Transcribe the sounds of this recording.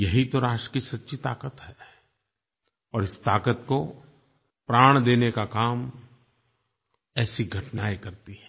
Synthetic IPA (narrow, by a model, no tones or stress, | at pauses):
jɐɦit̪oɾaːʃʈɾə̥kisɐt̪ːʃʰit̪aːkət̪ɦɛ | ɔːɾɪst̪aːkət̪ko | pɾaːɽ̃d̪eːnekakaːm | ɛːsiɡʱɐʈnaːekɐɾt̪iɦɛ̃ː